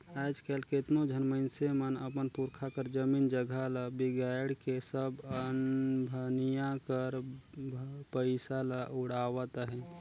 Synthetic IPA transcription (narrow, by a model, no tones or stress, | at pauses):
aːd͡ʒkelket̪nod͡ʒʱənməɪnsemənə̰pənpʊɾkʰakəɾd͡ʒəmiːnd͡ʒəɡʱalabiɡaːɪɖkesəbənbʱənijãkəɾ | pəɪsalaʔʊɽaːwat̪aɦɛ̃ː